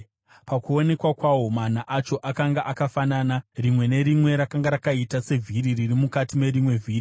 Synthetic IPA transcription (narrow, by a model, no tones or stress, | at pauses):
pakuone̞kwakwawo̞man̤aʔat͡ʃo̞ʔakaŋɡaʔakafananarimwe̞ne̞ɾimwe̞ɾakaŋɡaɾakaitase̞vʱiɾiririmukatime̞ɾimwe̞vʱiːɾi